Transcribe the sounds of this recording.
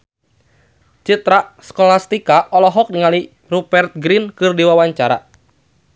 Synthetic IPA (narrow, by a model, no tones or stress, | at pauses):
t͡ʃit̪ɾaskɔlast̪ikaʔɔlɔɦɔk̚niŋali | rubɛrt̪̚ɡɾinkɨrdiwawaɲt͡ʃaɾa̰